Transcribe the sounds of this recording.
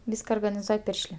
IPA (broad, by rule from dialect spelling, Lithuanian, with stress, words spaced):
ˈʋʲiːskɐ oːrɡɐnʲɪˈzuɔj ˈpʲɪrʲʃʲlʲeː